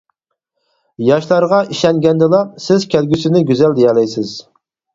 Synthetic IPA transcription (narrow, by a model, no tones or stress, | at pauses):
jɑʃlˠɑɾʁɑʔiʃɛŋɡʲɛnd̪ɪlˠɑsɪzkʲʰælɡʲysɪnɪɡʲyzɛld̪ejɑlɛjsɪz̥